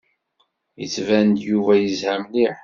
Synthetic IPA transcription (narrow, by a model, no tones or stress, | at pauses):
jə̰t͡sːvænd̪juvæjəzhæmliħ